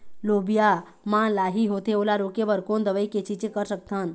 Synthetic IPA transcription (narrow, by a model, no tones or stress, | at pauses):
loːbija | mãlaːɦiɦoːt̪eoːlaɾoːkeʋəɾkoːnd̪əʋəiket͡ʃit͡ʃekəɾsək̚t̪an